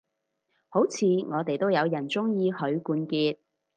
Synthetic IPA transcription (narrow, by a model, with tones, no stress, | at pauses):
ho˨˥wt͡sʰiː˨˧ŋɔː˨˧t̪e˨jt̪o˥wjɐ˨˧wjɐ˨˩nt͡sʊ˥ŋjiː˧hɵ˨˧ɥkuː˧nkiː˧t̪̚